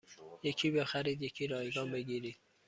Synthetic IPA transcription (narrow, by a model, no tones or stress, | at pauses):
jecʰiːbexæɾiːd̪je̞cʰiːɾɒːjɡɒːnbe̞ɡiːɾiːd̪̥̚